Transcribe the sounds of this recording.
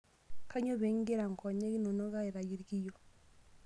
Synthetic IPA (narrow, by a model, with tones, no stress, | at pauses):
ka˦ɲo˦βe˨˦ŋ˦ɡe˦ɾa˨ŋ˨kʰɔ˨ɲe˦ɡi˦no˨no˦ɣa˦e˨ɾa˨ji˨˦ɾki˦jo˨